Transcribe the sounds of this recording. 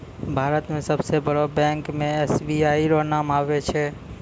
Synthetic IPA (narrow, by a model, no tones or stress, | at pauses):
bʱaːɾət̪mẽsəbsebəɽobɛ̃ːŋkmẽɛːsbiaːiɾonaːmaːʋet͡ʃʰɛ